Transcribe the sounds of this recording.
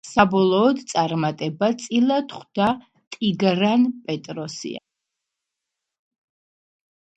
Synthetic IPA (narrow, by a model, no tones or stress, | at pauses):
sabɔlˠɔːd̪t̪sʼaɾmat̪ʼɛbat̪sʼilˠat̪χd̪̥a | t̪ʼiɡɾanpʼɛt̪ʼɾɔsḭa̰